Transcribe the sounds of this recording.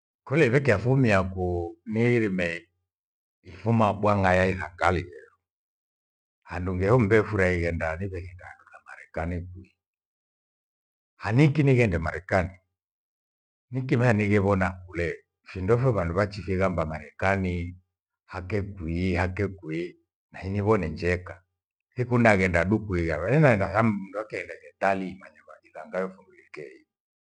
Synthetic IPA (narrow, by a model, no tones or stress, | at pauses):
kulɛiβɛkɛafumiakuniɾimɛ | ifumaɓwaŋajaihaŋɡalijɛɾu | handuŋɡɛhum̩bɛfuɾaiɣɛndaniβɛɣɛkaɾulama̰ɾɛkanikwi | hanikiniɣɛndɛmaɾɛkani | nikimɛaniɣɛβɔnakulɛ | findɔfɛβanduβat͡ʃifiɣambamaɾɛkani | hakɛkwihakɛkwi | nahiniβɔnɛɲd͡ʒɛka | hikunaɣɛndaɗukuiɣaβaninaɛndasammunduakɛɣɛndavɛt̪alimaɲaβaʔilaŋɡajɔfuŋɡulikɛi